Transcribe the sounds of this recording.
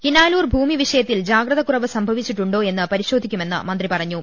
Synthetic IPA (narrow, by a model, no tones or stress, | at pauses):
kinaːluːrbʱuːmiʋiʂɐjɐt̪ːild͡ʑaːɡɾɐðɐkurɐʋɨsɐmbʱɐʋit͡ɕːiʈːuɳɖo̞ːe̞nːɨpɐɾiɕo̞ːd̪ʱikʲːume̞nːɨ̰mɐnd̪ripɐrɐɲːu